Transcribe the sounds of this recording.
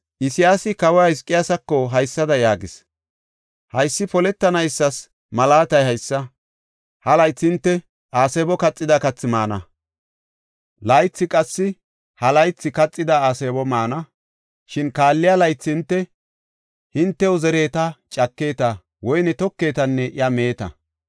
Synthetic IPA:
ʔɪsɪjaːsɪkɐwahɪskʼːɪjasɐkːɔɦɐjsːɐd̪ɐjaːɡɪs | hɐjsːɪpɔlɛt̪ːɐnɐjsːɐs | mɐlaːt̪ɐjhɐjsːɐ | hɐlɐjt͡sːɪɪnt̪ːɛ | ʔaːseːbɔkɐt͡sʼːɪd̪ɐkɐt͡sːɪmaːnɐ̰ | lɐjt͡sːɪkʼɐsːɪ | hɐlɐjt͡sːɪkɐt͡sʼːɪd̪ɐaːseːbɔmaːnɐ | ʃɪnkaːlːɪjalɐjt͡sːɪnt̪ːɛ | hɪnt̪ːɛwzɛɾe̞ːt̪ɐt͡ʃʼɐkːe̞ːt̪ɐ | wɔjnɛt̪ɔkːe̞ːt̪ɐnːɛʔɪɐmeːt̪ɐ̰

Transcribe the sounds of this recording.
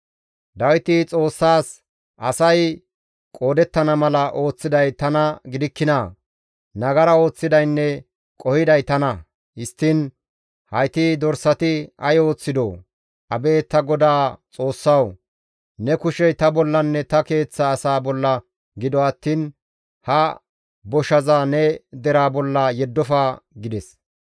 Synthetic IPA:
d̪ɐwɪt̪ɪt͡sʼo̞ːsːaːs | ʔɐsɐj | kʼo̞ːd̪ɛt̪ːɐnɐmɐlɐʔo̞ːt͡sːɪd̪ɐjt̪ɐnɐɡɪd̪ɪkːɪnaː | nɐɡɐɾɐo̞ːt͡sːɪd̪ɐjnːɛ | kʼɔhɪd̪ɐjt̪ɐnɐ | ɪst̪ːɪn | hɐjt̪id̪ɔɾsɐt̪ɪɐjo̞ːt͡sːɪd̪o̰ː | ʔɐbe̞ːt̪ɐɡɔd̪aːt͡sʼo̞ːsːɐw | nɛkʊʃɛjt̪ɐbɔlːɐnːɛt̪ɐke̞ːt͡sːɐːsaːbɔlːɐ | ɡɪd̪ɔɐt̪ːiːn | hɐ | bɔʃɐzaːnɛd̪ɛɾaːbɔlːɐjɛd̪ːɔfaːɡɪd̪ɛs

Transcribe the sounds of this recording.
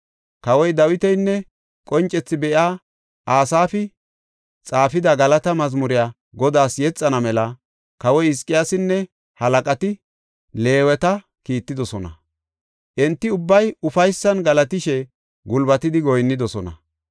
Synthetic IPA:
kɐwɔjd̪ɐwɪt̪ɛjnːɛ | kʼɔnt͡ʃʼːɛt͡sːɪbɛʔjaː | ʔaːsaːfɪ | t͡sʼaːfɪd̪ɐɡɐlɐt̪ɐmɐzmʊɾɪjaː | ɡɔd̪aːsjɛt͡sʼːɐnɐmɛlɐ | kɐwɔjɪskʼːɪjaːsɪnːɛ | hɐlɐkʼɐt̪ɪ | le̞ːwɛt̪ɐ | kiːt̪ːɪd̪ɔsɔnɐ̰ | ʔɛnt̪ːɪʊbːɐjʊfɐjsːɐnɡɐlɐt̪ɪʃɛ | ɡʊlbɐt̪ɪd̪ɪɡɔjnːɪd̪ɔsɔnɐ̰

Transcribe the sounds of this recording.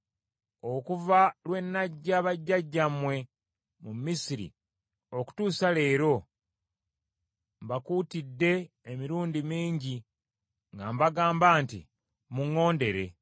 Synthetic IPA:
okuvalwe̞nːaɟːaβaɟːaɟːamwe̞ | mumisiɾḭ | o̞ku̥tuːsale̞ːɾo̞ | mbakuːtidːe̞ː | miɾuːndimiːɲɟi | ŋɡambaɡaːmbaːntḭ | muŋːo̞ːnde̞ɾe̞

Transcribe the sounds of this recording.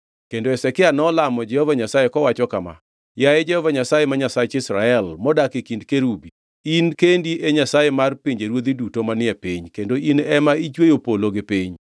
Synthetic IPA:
kendoɛsɛkɪanɔlamɔd͡ʒɛhɔvaɲasajekɔwat͡ʃɔkama̰ | jaɛd͡ʒɛhɔvaɲasajemaɲasat͡ʃɪsɾaɛlmɔdakikindkeɾubi | inkendiʔeɲasajemarpiɲd͡ʒeɾwod̪idutomanɪɛpiɲkendoinɛmait͡ʃwejopoloɡɪpiɲ

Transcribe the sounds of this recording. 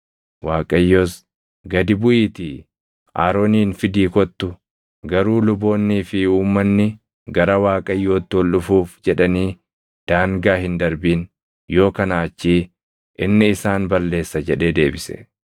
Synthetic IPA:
waːkʼɐjːo̞ːs | ɡɐd̪ɪbʊʔiːt̪iː | a̰ːɾo̞ːniːnfɪd̪iːkɔt̪ːʊ | ɡɐɾuːlʊbo̞ːnːiːfɪuːmːɐnːɪ | ɡɐɾɐwaːkʼɐjːo̞ːt̪ːɪwɔlːʊfuːfd͡ʒɛᶑɐniː | d̪̥aːŋɡaːhɪnd̪ɐɾbiːn | jo̞ːkɐnaːt͡ʃːiː | ʔɪnːɪɪsaːnbɐlːe̞ːsːɐd͡ʒɛᶑe̞ːd̪e̞ːbɪsɛ̰

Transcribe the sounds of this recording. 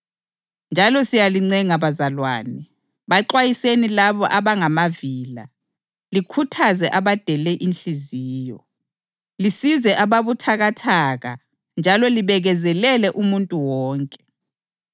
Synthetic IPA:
nd͡ʒʱalɔsijaliŋ͡ǀɛŋaβazalwa̰ːnɛ | βaǃwajisenilaβɔʔaβaŋamaviːla | likʰutʰazɛʔaβad̥ʱɛlɛʔinɬiziːjɔ | lisizɛʔaβaβutʰaɣatʰaɣa̰ | nd͡ʒʱalɔliβɛɣɛzɛlɛlɛʔumuntʼuwɔːŋkʼɛ̥

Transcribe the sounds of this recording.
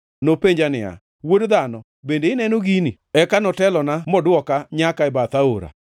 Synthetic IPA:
nopeɲd͡ʒanɪa̰ | wodd̪anɔ | bendeɪnɛnoɡini | ɛkanɔtɛlɔnamɔdwɔkaɲakaɛbat̪aoɾa̰

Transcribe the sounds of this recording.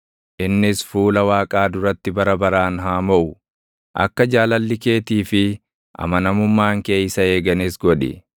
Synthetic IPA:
ʔɪnːɪsfuːlɐwaːkʼaːd̪ʊɾɐt̪ːɪbɐɾɐbɐɾaːnɦaːmɐʔʊ | ʔɐ̰kːɐd͡ʒaːlɐlːɪke̞ːt̪iːfɪ | ʔɐ̰mɐnɐmʊmːaːŋke̞ːjsɐe̞ːɡɐnɪsɡɔᶑɪ̰

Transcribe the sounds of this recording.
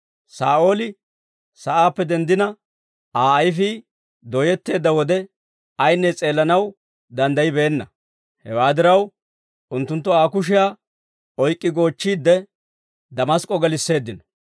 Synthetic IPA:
saːʔo̞ːlɪ | sɐʔaːpːɛd̪ɛnd̪ɪnɐ | aːɐjfi | d̪ɔjɛt̪ːe̞ːd̪ːɐwɔd̪ɛ | ɐjnːɛt͡sʼe̞ːlːɐnɐw | d̪ɐnd̪ɐjɪbeːnːɐ | hɛ̰waːd̪ɪɾɐw | ʔʊnt̪ːʊnt̪ːɔaːkʊʃ̬ɪjaː | ɔjkʼːɪɡo̞ːt͡ʃːiːd̪ːɛ | d̪ɐmɐskʼːɔɡɛlɪsːe̞ːd̪ːɪnɔ̥

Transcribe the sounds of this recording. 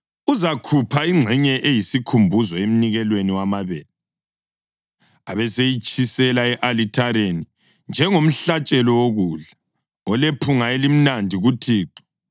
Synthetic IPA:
uzakʰupʰaiŋ͡ǁʱɛɲɛʔejisikʰumbʱuzɔem̩niɣɛlweniwamaβɛːla | aβɛsejit͡ʃʼisɛlaɛʔalitʰaɾeni | nd͡ʒʱɛŋom̩ɬat͡ʃʼɛlɔwoɣuɮa | ɔlepʰuŋaelim̩nandʱiɣutʰiːǃi̥

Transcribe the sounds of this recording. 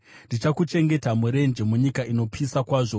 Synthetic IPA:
ndit͡ʃakut͡ʃe̞ŋɡe̞tamuɾe̞nd͡ʒe̞muɲikaʔino̞pisakwaːʐo̞

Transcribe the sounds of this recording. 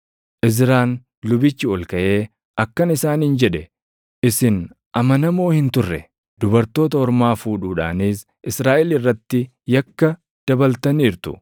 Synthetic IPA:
ʔɪz̬ɾaːn | lʊbɪt͡ʃːɪɔlkɐʔe̞ː | ʔɐkːɐnɪsaːnɪnd͡ʒɛᶑɛ | ʔɪsɪn | ʔɐmɐnɐmo̞ːhɪnt̪ʊrːɛ | d̪̥ʊbɐɾt̪o̞ːt̪ɐɔɾmaːfuːᶑuːᶑa̰ːniːs | ʔɪsɾaːʔɛlɪrːɐt̪ːɪ | jɐkːɐ | d̪̥ɐbɐlt̪ɐniːɾt̪ʊ̰

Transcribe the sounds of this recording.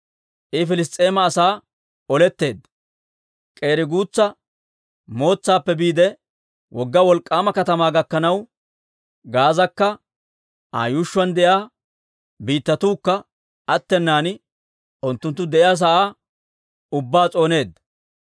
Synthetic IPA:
ʔɪfɪlɪs̬t̪ʼe̞ːmɐːsaː | ɔlɛt̪ːe̞ːd̪ɐ | kʼe̞ːɾɪɡuːt͡sːɐ | mo̞ːt͡sːaːpːɛbiːd̪ɛ | wʔɔɡːɐwɔlkʼːaːmɐkɐt̪ɐmaːɡɐkːɐnɐw | ɡaːzɐkːɐ | ʔa̰ːjuːʃːʊɐnd̪ɛʔjaː | biːt̪ːɐt̪uːkːɐ | ɐt̪ːɛnːaːn | ʔʊnt̪ːʊnt̪̬ːʊd̪ɛʔɪjaːs̬ɐʔaː | ʊbːaːt͡sʼo̞ːne̞ːd̪ːɐ

